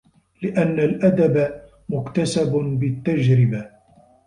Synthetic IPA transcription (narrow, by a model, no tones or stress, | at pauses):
lɪʔanːalʔad̪aba | mʊkt̪asabbɪt̪ːad͡ʒɾɪba